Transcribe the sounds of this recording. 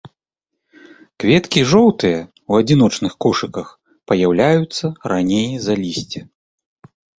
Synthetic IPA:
kvʲɛt̪kʲiʐɔwt̪ɨjɐ | wɐd͡zʲin̪ɔt͡ʂnɨxkɔʂɨkɐx | pɐjawlʲajut̪sːɐɾanʲejzɐlʲisʲt͡sʲɛ

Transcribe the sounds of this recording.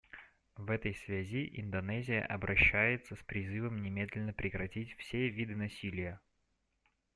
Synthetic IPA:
vɛt̪əjsvʲæzʲiʔɪ̰nd̪ɐnɛzʲɪjə̰ʔɐbɾɐɕːæjɪt̪səspɾʲɪzɨvəmnʲɪmʲed̪ʲlʲɪnːəpɾʲɪkɾɐtʲitʲfsʲevʲid̪ɨnɐsʲilʲɪjə

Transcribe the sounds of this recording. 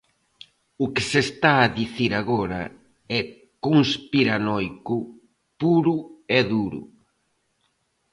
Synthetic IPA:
ʊkɪsest̪aːðiθiɾaɣɔɾɐ̰ | ɛ | kuŋspiɾanɔjkʊ | puɾʊɛðuɾʊ̰

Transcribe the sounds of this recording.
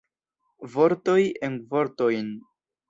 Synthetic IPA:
vo̞ɾto̞jenvo̞ɾto̞jn

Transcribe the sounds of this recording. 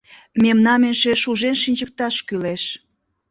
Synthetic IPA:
memnɑmenʃeʃuʒenʃinʲd͡ʑək̚t̪ɑʃkyleʃ

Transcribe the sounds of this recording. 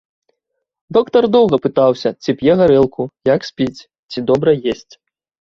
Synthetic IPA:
d̪ɔkt̪ɐrd̪ɔwɣɐpɨt̪awsʲɐt͡sʲipʲjɛɣaɾɛlˠkʰujaksʲpʲit͡sʲ | t͡sʲid̪ɔbɾɐjesʲt͡sʲ

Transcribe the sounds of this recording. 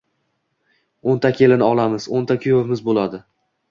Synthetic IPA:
ont̪ʰakʲʰe̞lɪnɪɒlˠamɪz̥ont̪ʰakʲʰʊjovmɪzbolad̪ɪ

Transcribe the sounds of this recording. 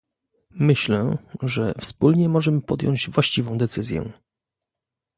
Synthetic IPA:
mɘɕlɛ̃ʐɛfspulɲɛmɔʐɛmɘpɔd̪ʲjɔ̰ɲd͡ʑvwaɕt͡ɕivɔ̃w̃d̪ɛt̪sɘzʲjɛ̰

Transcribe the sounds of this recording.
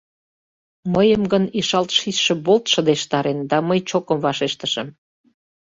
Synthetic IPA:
məjəmɡəniʃɑlt̪ʃisʃĕbolt̪ʃə̆d̪eʃt̪ɑɾend̪ɑməjt͡ɕokə̆mvɑʃeʃt̪ə̆ʃəm

